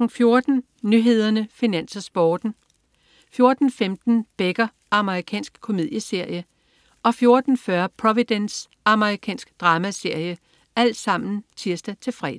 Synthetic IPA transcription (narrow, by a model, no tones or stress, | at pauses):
ŋ̩fjo̝ɐd̥n̩ | nyɦe̝ð̞̰ˠɐnəfinæn̰sɐsb̥ɒːd̥n̩ | fjo̝ɐd̥n̩femd̥n̩b̥eɡ̥ɐ | ɑ̈məʁikʰɛ̰ːnsɡ̥kʰo̝mið̰ˠjəse̝ɐ̰jə | ɒ̽fjo̝ɐd̥n̩fɶɐpʰʁɒʋid̥ens | ɑ̈məʁikʰɛ̰ːnsɡ̥d̥ʁɑ̈ːmæse̝ɐ̰jə | æl̰d̥sɑ̈m̰n̩t͡sʰiɐsd̥æt͡sʰe̝lfʁɛ̰ːd